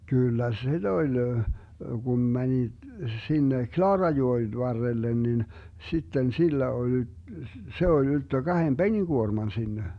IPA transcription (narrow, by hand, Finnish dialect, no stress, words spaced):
kyˑlːæ sid̥ olʲ ɡum mæni sinːe klɑːrɑjoen ʋɑrːelːen nin sitːen silːæ ol y se olʲ yltːø ɡ̊ɑhem b̥eniɡ̊uormɑn sinːe